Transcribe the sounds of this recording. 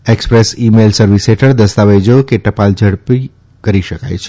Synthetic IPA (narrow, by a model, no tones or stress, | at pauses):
ekspɾesimelsəɾʋiseʈʰəɾd̪əst̪aʋejd͡ʒokeʈəpald͡ʒʱəɽpi | kəɾiʃəka̰jt͡ʃʰ